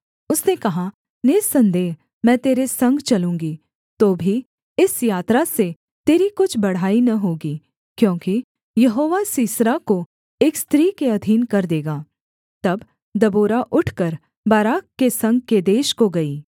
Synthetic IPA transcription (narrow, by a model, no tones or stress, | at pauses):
ʊsnekɐɦa | neːsɐ̃nd̪eːɦ | mɛ̃ːt̪eːɾesɐ̃ŋɡt͡ʃɐlũːŋɡi | t̪oːbʱi | ɪsjaːt̪ɾase | t̪eːɾikʊt͡ʃʰbɐɽ̤aːinɐɦoːɡi | kjõːki | jɐɦoːʋasiːsɾako | eːkst̪ɾiːkeɐd̪ʱiːnkɐɾd̪eːɡaː | t̪ɐb | d̪ɐboːɾaʔʊʈʰkəɾ | baːɾaːkːesɐ̃ŋɡ̚ked̪eːʃkoɡɐiː